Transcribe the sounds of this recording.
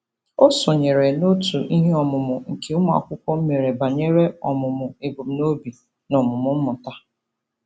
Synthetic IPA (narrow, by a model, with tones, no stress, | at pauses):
o˦sʊ˨ɲe˨ɾe˨no˦tu˨ʔi˦ɦe˦ɔ˨mʊ˨mʊ˨ŋ̩˨kʰe˦ʊ˦m˦a̰˨kʷʊ˦kʷɔ˦m̩˦me˨ɾe˨ba˨ɲe˦ɾe˦ɔ˨mʊ˨mʊ˨e˨bo˨m̩˨no˦bi˨ | nɔ˨mʊ˨mʊ˨˦m̩˦mʊ˨ta˦